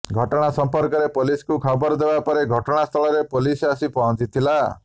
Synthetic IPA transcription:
ɡʱɔʈɔɽ̃asɔmpɔɾkɔɾepoliskukʰɔbɔɾd̪ebapɔɾeɡʱɔʈɔɽ̃ast̪ʰɔɭɔɾepolisasipɔɦɔ̃t͡ʃit̪ʰila

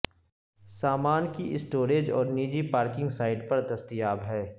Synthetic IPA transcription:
saːmaːnkiʔɪsʈoːɾeːd͡ʒɔ̰ːɾniːd͡ʒipaːɾkɪ̃ŋɡsaːɪɖpɐɾd̪ɐst̪ijaːbɦɛː

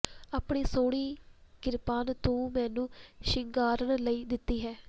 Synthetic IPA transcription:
aːpɳeːsoːɽiːkɪɾpaːnt̪õːmɛ̃ːnũːʃɪŋɡaːɾəɳləiːd̪ɪt̪ːiːɦɛː

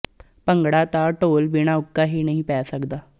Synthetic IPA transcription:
pəŋɡɽaːt̪aːʈoːlbiːɽ̃ãːʊkːaːɦiːnəɦĩːpɛːsəkd̪aː

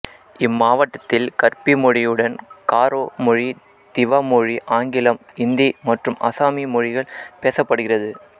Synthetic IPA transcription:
ɪmːaːʋɐʈːɐt̪ːɪlkɐɾpimɔɻɪjɯɽɐnkaːɾoːmɔɻi | t̪ɪʋaːmɔɻiʔaːŋɡɪlɐm | ɪnd̪imɐʈrɯmɐ̰saːmimɔɻɪɣɐɭpeːsɐpːɐɽɯɣɪrɐðɯ

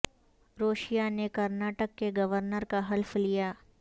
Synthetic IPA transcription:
ɾoːʃijanekɐɾnaːʈəkːeɡɐʋəɾnəɾkaɦɐlfʰlijaː

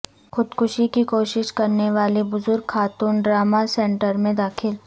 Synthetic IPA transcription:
xʊd̪kʰʊʃikikoːʃɪʃkɐɾneʋaːlebʊzʊɾɡkʰaːt̪uːnɖɾaːmasɛ̃ːɳʈəɾmẽd̪aːkʰɪl

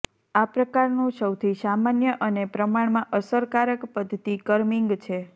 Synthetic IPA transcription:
apɾəkaɾnũsəwt̪ʰisamanjəʔənepɾəmaɳmãʔəsəɾkaɾəkpəd̪ʱt̪ikəɾmĩŋɡt͡ʃʰe

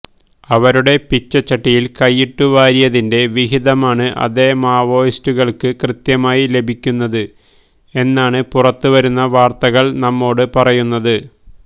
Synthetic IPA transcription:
ɐʋɐɾuɽe̞pit͡ɕːɐt͡ɕːɐʈːijilkɐjːiʈːuʋaːɾijɐðinde̞ʋiɦiðɐmaːɳɨʔɐ̰ðeːmaːʋo̞ːjistuɣɐɭkɨkrɨt̪jɐmaːjile̞bʱikʲːunːɐðɨ | e̞nːaːɳɨpurɐt̪ːɨʋɐɾunːɐʋaːrt̪ɐɣɐɭnɐmːo̞ːɽɨpɐrɐjunːɐðɨ

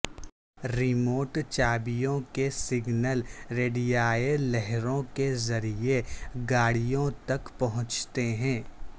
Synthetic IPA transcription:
ɾɪmoːʈt͡ʃaːbijõkesɪɡnəlɾeːɖijaːelɛɦɾõkezɐɾieɡaːɽijõt̪ɐkpɐɦʊ̃t͡ʃt̪eɦɛ̃ː

